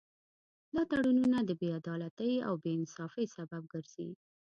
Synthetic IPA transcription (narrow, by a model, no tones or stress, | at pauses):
lɑt̪aɽununad̪əbead̪ɑlat̪əja̰wbeɪnsɑfəjsabab̚ɡəɾz̥ḭ